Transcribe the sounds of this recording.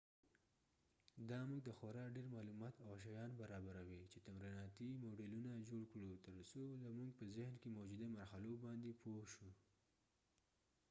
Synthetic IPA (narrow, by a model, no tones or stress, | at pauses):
d̪ɑmuɡd̪əxoɾɑɖeɾmɑlumɑt̪awʃ̬ajɑnbaɾɑbaɾawit͡ʃet̪amɾinɑt̪imoɖelunad͡ʒoɽkɽut̪əɾsolamuɡpəzɪhnkemowd͡ʒud̪amaɾxalobɑnd̪epʰoʃu